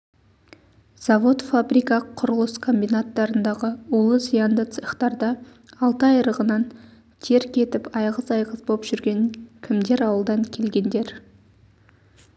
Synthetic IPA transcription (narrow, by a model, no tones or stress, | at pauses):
z̥avo̞t̪fabɾijkɑqʰʊɾəlˠəskʰo̞mbʲijnat̪ːɑɾənd̪ɑʁəulˠəzijand̪et̪səχt̪ɑɾd̪ɑː | lˠt̪əɑjɾəʁənɑn | t̪ʰeɾkʲʰe̞t̪ɪpɑjʁəzɑjʁəzbopʒ̥ʏɾɡʲe̞ŋkʲʰɪmd̪e̞ɾɑwəlˠd̪ɑŋkʲʰe̞lɡʲe̞nd̪e̞ɾ